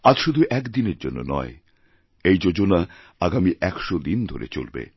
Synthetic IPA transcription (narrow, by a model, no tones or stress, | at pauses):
ad͡ʑʃud̪ʱuʔɛkd̪ineɾd͡ʑonːo̰nɔ̰e | ejd͡ʑod͡ʑona | aɡamiʔɛkʃod̪ind̪ʱoɾḛt͡ɕo̰lbḛ